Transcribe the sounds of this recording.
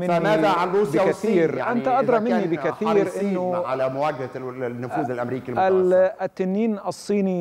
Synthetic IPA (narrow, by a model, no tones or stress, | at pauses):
mɪnad̪aʕanɾuːsaaiːɾʔant̪aʔad̪ɾˤɑmɪnːibɪkaθiːɾʔɪnːʊʕalamʊwaːɡhanːʊfuːðɪlʔamɾiːkilmalt̪ːɪnːiːnɑsˤːiːni